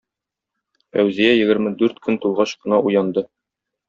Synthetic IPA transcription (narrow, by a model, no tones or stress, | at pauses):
fæwzijæjɘ̆ɡɘ̆ɾmɘd̪ʉɾt̪kɵnt̪ulˠʁɑɕqɤ̆nɑʔujɑnd̪ɤ